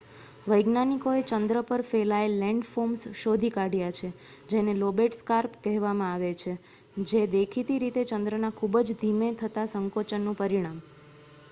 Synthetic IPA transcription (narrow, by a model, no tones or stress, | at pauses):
ʋəjɡnanikoet͡ʃənd̪ɾəpəɾfelaelːɛ̃ɳɖfomsʃod̪ʱikaɽjat͡ʃʰed͡ʒenelobeʈskaɾpkɛɦʋamãaʋet͡ʃʰe | d͡ʒed̪ekʰit̪iɾit̪et͡ʃənd̪ɾənakʰubəd͡ʒd̪ʱimet̪ʰət̪asəŋkot͡ʃənːũpəɾiɽ̃am